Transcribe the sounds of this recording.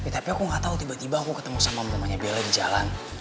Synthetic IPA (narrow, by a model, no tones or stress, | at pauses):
pet̪apiakuŋɡat̪aut̪ibat̪ibaːkukət̪əmusamamənəmaɲabeladid͡ʒa̰lan